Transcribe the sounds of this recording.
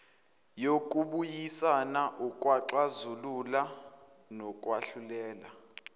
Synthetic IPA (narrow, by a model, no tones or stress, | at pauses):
jok̬ʼuɓujisanaʔukʼwaǁazulula | nɔkʼwaɬulɛːla